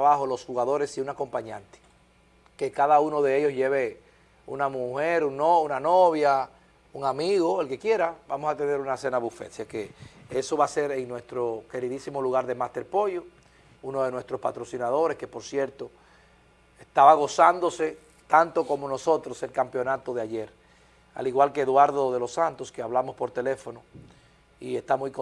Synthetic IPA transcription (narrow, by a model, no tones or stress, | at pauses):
aβaho̞lo̞shuɣaðo̞ɾe̞siunako̞mpaɲãnt̪e̥ | ke̞kaðauno̞ðe̞eʝosʝeβe̞ | ṵnamuheɾuŋnounanoβja | uŋamiɣo̞e̞lke̞kje̞ɾabamo̞sat̪e̞ne̞ɾunase̞naβufḛt̪siakeeso̞βase̞ɾeŋnwe̞st̪ɾo̞ke̞ɾiðisimo̞luɣaɾðemast̪e̞ɾpo̞jo | unoðe̞nwe̞st̪ɾo̞spa̰t̪ɾo̞sinað̞o̞ɾe̞ske̞po̞ɾsje̞ɾt̪o | e̞st̪aβaɣ̞o̞sand̪o̞se̞ | t̪ant̪o̞ko̞mo̞no̞so̞t̪ɾose̞lkampjo̞nat̪o̞ðeaʝe̞ɾ | a̰liɣwalkeːðwaɾðo̞ðe̞lo̞sːant̪o̞skeaβlamo̞spo̞ɾt̪e̞le̞fono | ie̞st̪amujko